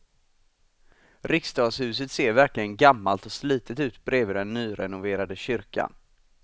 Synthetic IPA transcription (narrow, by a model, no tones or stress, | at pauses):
ɾɪkst̪ɑːɡshʉ̟ːs̬ət̪seːɾvæɾklɪɡənɡamːalt̪ɔsliːt̪ʰət̪ʉ̟ːt̪bɾeːvɪd̪ɛnːyːɾʔɛnʊveːɾad̪əɕʏɾka̰n